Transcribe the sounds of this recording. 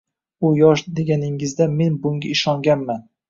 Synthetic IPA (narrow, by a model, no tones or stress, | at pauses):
ʊjɒʃd̪e̞ɡʲanɪŋɪzd̪ame̞nbʊŋɡʲaɪʃɒŋɡʲanman